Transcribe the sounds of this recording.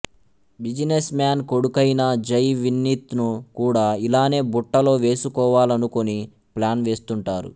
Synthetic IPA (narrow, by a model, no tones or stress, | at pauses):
bid͡ʒinesmjaːnko̞ɽukɐjnɐd͡ʒɐjʋinːit̪nukuːɽaːilaːne̞ːbuʈːɐlo̞ːʋe̞ːsukɔːʋaːlɐnuko̞ni | plaːnʋe̞ːst̪uɳʈaːɾṵ